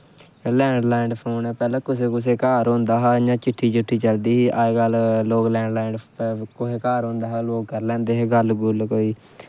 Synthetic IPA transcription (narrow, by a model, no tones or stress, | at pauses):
lɛ̃ːɳɖlɛːɳɖpʰoːnɛ̃ːpɛːlãːkʊseːkʊs̬eːkaːɾɦʊ̃nd̪aːɦaːjãːt͡ʃɪʈʰːiːt͡ʃɪʈʰːiːt͡ʃəld̪iːɦiːʔaːeɡəlloːklɛ̃ːɳɖlɛːɳɖkoɦeːkaːɾɦõnd̪aːɦaːloːkːəɾlɛ̃ːnd̪eːɦeːɡəlɡʊlkoːiː